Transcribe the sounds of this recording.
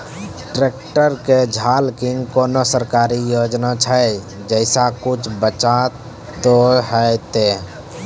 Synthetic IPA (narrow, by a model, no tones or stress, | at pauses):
ʈɾekʈəɾked͡ʒʱalkiŋɡkonosəɾkaɾijod͡ʒnat͡ʃʰəj | d͡ʒəɪsakut͡ʃʰbət͡ʃa | oɦəjt̪e